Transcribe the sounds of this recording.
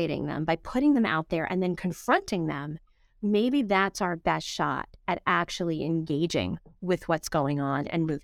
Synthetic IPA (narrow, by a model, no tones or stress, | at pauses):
eɪɾɪ̰̃ŋðə̰̃mbaɪpʰʊɾɪ̃ŋðɨ̃ma̰ʊt̪̚ðə˞ʔɨ̰̃nðɨ̃nkʰɨ̃ɱfɹʌ̃ntɪ̃ŋðə̃mː | eɪbiðætsaʊə˞bɛstʃɑ̰ɾɨɾæk̚t͡ʃul̩ˠiʔɨ̃nɡeɪd͡ʒɪ̰̃ŋwɪðwʌtsɡ̥oʊɪ̃ŋə̃nɨ̰̃nmʉv